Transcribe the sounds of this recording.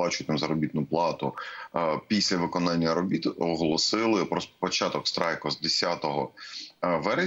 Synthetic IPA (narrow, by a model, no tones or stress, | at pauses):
ɑt͡ʃʊjt̪ɪmzɐɾɔbʲit̪nʊplˠɑt̪ʊ | pʲisʲlʲɐʋɪkɔnɑnʲːɐɾɔbʲit̪ɔɦɔlˠɔsɪlˠɪpɾɔspɔt͡ʃɑt̪ɔkst̪ɾɑjkɔzd̪esʲat̪ɔɦɔ | ʋɛɾe